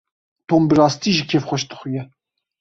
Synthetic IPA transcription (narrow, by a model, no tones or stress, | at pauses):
t̪ʰoːmbɨɾɑːst̪iːʒikʰefxʷɛʃd̪ɨ̥xujɛ